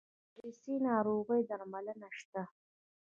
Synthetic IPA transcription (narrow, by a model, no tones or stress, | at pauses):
ɾisinɑːɾoɣəjd̪aɾmalənaʂt̪a